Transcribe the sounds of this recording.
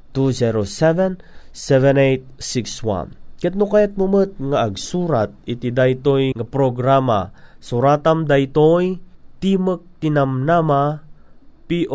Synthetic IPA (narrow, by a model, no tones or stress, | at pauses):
t̪uzɛɾosɛvɛnsɛvɛnejt̪̚sikswa̰nkɛt̪̚nukajat̪̚mumət̪̚ŋaːɡsuːɾat̪̚it̪id̪ajt̪ojŋapɾoɡɾama̰suɾat̪amd̪ajt̪ojt̪imək̚t̪inamnama | piʔ